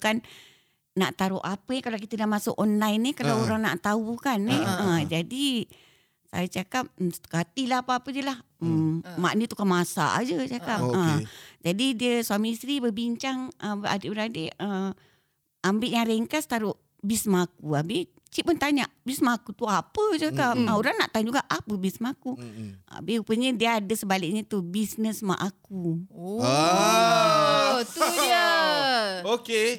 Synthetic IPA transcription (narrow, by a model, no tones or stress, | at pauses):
kan | naʔt̪aɾʊʔapənkalakit̪ədaʔmasʊkʔɔnlajnikalawoɾaŋna̰ʔt̪aukaniəd͡ʒadi | sa̰jat͡ʃakap̚st̪u̥kat̪ilahapaapədiəlah | ma̰ʔnit̪ukanmasa̰ʔa̰d͡ʒət͡ʃakapəd͡ʒadidiəsuamiist̪ɾibəbiɲt͡ʃaŋʔəba̰deʔbəɾaadeə | ambɪʔɲãɾɛŋkast̪aɾʊʔ | bismakuabi | t͡ʃiʔ̚pʊnt̪aɲaʔbismaːkut̪uapət͡ʃakamauɾanaʔt̪aɲd͡ʒuɡaʔapəbismakua̰biupəɲədiəadəsəbalɪʔ̚ɲət̪ubisnəsma̰ʔaku | t̪ujə | oke